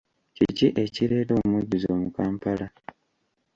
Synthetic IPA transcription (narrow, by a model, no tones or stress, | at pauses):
ciciʔe̞ciɾe̞ːtoːmwuɟizo̞ːmukaːmpala